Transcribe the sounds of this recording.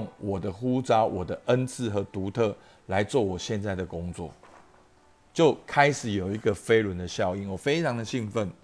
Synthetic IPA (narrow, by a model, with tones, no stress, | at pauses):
ŋwɔ˨˩d̪ə˦xu˦t͡sɑ˥wʔɔ˨˩d̪ə˦ʔə˦nt͡s̩ʰ˥˨xɤ˨˦t̪u˨˧˥t̪ʰɤ˥˨ | la˧˦ɪt͡swɔ˥˨˩wɔ˨˩ɕjɛ˥˧nt͡sa˥˩ɪd̪ə˩kʊ˥˦ŋt͡swɔ̰˥˨˩ | t͡ɕjo˥˨ʊkʰa˦ɪʂɻ̩˨˩˦jo˨˩ʊi˧˥ɡə˨fe˦ɪlwə˨˦nd̪ə˨ɕjɑ˥˧ʊi˥˩nwɔ˨˩fe˥ɪʈ͡ʂʰɑ˧˦ŋd̪ə˨ɕi˥˧ŋfə˥˨n